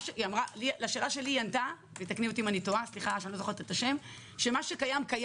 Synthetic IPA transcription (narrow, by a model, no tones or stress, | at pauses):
ʃeiamʁalilaʃe̞ːlaʃe̞lianta | vejt̪akniot̪̬imanitoasliχaʃanilozoχet̪etaʃe̞m | ʃe̞maʃekajamkaj